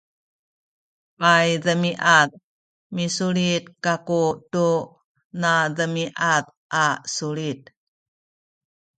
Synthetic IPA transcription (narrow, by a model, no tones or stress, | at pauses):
vajðəmiʔað | misuɭit̪kakutu | naðəmiʔað | ʔasuɭit̚